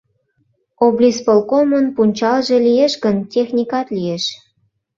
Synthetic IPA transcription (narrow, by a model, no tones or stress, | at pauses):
oblʲispolkomənpunʲt͡ɕɑlʒĕlijeʃɣəntʲexnʲikɑt̪lʲijeʃ